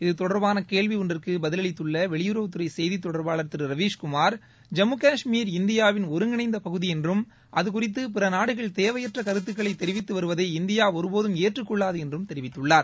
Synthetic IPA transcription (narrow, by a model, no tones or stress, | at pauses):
ɪðɯt̪ɔɽɐɾbaːnɐkeːɭʋiɔndrɪrkɯbɐðɪlɐɭɪt̪ːɯɭːɐʋɛɭɪjɯɾɐʋɯt̪ːɯɾɐɪsɛjðit̪ːɔɽɐɾbaːɭɐɾt̪ːɪɾɾɐʋiːʂkʊmaːɾ | d͡ʒɐmɯkaːʂmiːɾɪnd̪ɪjaːʋɪnɔɾɯŋɡɪnɐɪnd̪ɐpɐɣɯðijɛndrɯm | ʔɐðɯkʊrɪt̪̬ːɯp̬ɪɾɐnaːɽɯɣɐɭt̪eːʋɐjɐʈrɐkɐɾɯt̪̬ːɯkːɐɭɐɪt̪ɛɾɪʋɪt̪ːɯʋɐɾɯʋɐðɐɪɪnd̪ɪjaːɔɾɯpoːðɯmeːʈrɯkːɔɭːaːðɯɛndrɯmt̪ɛɾɪʋɪt̪ːɯɭːaːɾ